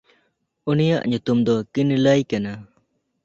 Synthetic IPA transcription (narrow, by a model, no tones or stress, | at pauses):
unijaʔɲut̪umd̪ɔkinləjkana